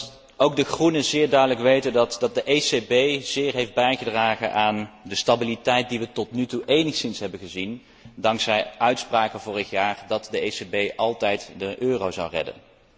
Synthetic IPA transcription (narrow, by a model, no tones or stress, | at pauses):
owɡ̚dəɣrunəzɪːɹdœɥdələkʋejtəndɑtdɑt̚dəʔesebejz̥ɪːɹɦejfd̚bɛjχədraːχə̰nʔaːndəstabilitɛjt̚diʋətɔtnytuʔejnəχsɪnsɦɛbənχəzin | dɑŋksɛjœɥtspraːkənvʊːɹəχjaːɹdɑtdəesebejʔɑlˠtɛjtdəʔøːrowzɑ̰wrɛ̰də̰n